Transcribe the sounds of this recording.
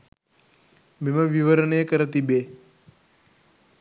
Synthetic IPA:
miməʋiʋəɾəɳjkəɾət̪ibe

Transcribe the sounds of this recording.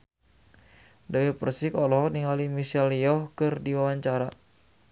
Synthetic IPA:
dawipərsikɔlɔɦkniŋalimisɛlijɔhkɨrdiwawaɲt͡ʃaɾa

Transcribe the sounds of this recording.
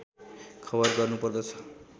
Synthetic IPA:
kʰʌbʌrɡʌrnupʌrd̪ʌt͡sʰʌ̥

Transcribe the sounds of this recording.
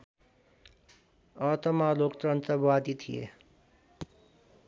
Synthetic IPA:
ʌt̪ʰʌmalokt̪ɾʌnt̪əbwad̪it̪ʰijḛ

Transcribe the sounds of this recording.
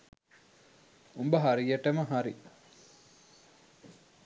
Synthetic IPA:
umbəɦaɾijəʈəməɦaɾi

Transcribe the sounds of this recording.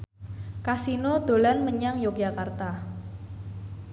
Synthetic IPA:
kasinod̪̥o̤lanməɲaŋjok̚d͡ʒ̥akart̪a

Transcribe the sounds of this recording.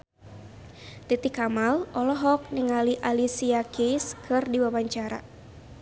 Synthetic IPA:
t̪it̪ikamalʔɔlɔɦɔk̚niŋaliʔalisiakʰiskʰɨrdiwawaɲt͡ʃaɾa̰

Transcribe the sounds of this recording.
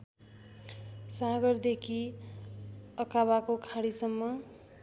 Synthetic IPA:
saɡʌrd̪ekʰi | ʌkaβakokʰaɽisʌmːʌ

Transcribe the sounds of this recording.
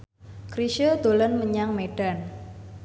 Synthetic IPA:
kɾiʃəd̪̥o̤lənməɲaŋmeɖ̥an

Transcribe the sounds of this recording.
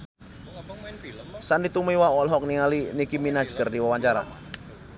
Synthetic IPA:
sandit̪umiwaɔlɦɔk̚niŋalinikiminḁsɡərdiwawaɲt͡ʃaɾa̰

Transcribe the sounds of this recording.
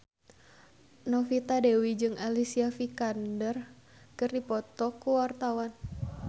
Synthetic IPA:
nɔfit̪adewid͡ʒɨŋʔalisiafikandər | kɨrdipɔt̪ɔkuwart̪awan

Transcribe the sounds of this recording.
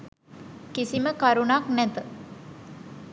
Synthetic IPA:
kisiməkaɾunaknɛt̪ə

